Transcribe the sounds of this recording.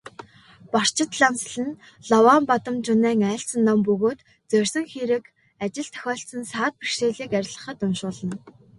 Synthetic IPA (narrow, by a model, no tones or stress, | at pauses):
pɔr̥t͡ɕʰɪ̆t̪ɮamsɮɘ̆n | ɮɔwaːmpat̪ə̆mt͡ɕʊnæːŋæːɬt͡sə̆nːampɵɣoːt̪ | t͡sœrʲsɵ̆ŋxiɾɘ̆k | at͡ɕɪ̆ɮt̪ʰœ̥xʲɔːɬt͡sə̆nsaːt̪̚pirʃeːɮiːkæɾʲɪ̆ɮʁə̆χə̆t̪ʊnʃʊːɮə̆n